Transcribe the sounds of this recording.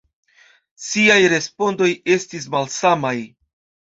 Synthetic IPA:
siajɾe̞spo̞ndo̞je̞stis̬malsamaj

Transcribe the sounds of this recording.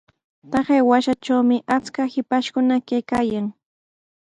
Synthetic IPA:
t̪ɑɢeːwaʃat͡ʃawmɪʔat͡skahɪpaʃkʊnakajkaːjaŋ

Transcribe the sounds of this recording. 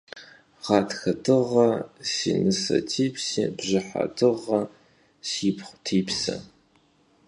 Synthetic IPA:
ʁɑːtxɐtʰɨʁɐsiːnɨsɐ̰tʰiːpsibʑɪħa̰tʰɨʁɐ | siːpʰχʷtʰiːpsɐ̰

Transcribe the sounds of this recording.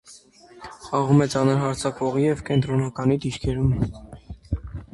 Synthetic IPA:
ɑʁumɛt͡sɑnəɾɦɑɾt͡sʰɑkvɔʁijɛvkɛnt̪ɾɔnɑkɑnid̪iɾkʰɛɾum

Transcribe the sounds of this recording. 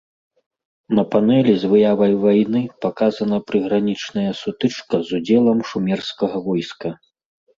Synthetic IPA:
nɐpanɛlʲizvɨjavɐjvajnɨpakazɐnɐpɾɨɣɾanʲit͡ʂnɐjɐsut̪ɨt͡ʂkɐzud͡zʲɛlˠɐmʂumʲɛrskɐɣɐvɔjskɐ

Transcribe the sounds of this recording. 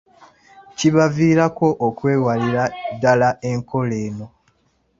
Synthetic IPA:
ciβaviːɾako̞ʔːkwe̞ːwaliɾadːalaʔe̞ŋko̞le̞ːno̞

